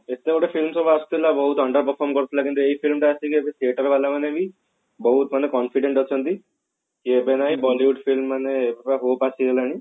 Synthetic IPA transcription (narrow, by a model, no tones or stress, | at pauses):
et̪eoʈefilmsɔbaːst̪ilabɔɦut̪əɳɖəɾpəɾfʰɔɾmkɔɾt̪ʰilakĩnt̪ueifʰilmʈaasikiebet̪ʰieʈəɾʋalamaneeʋi | bɔɦut̪manekɔnfiɖeɳʈɔt͡ʃʰənt̪i | kiebenaibɔliʋuɖfilmːaneepepaɦopasielaɽ̃i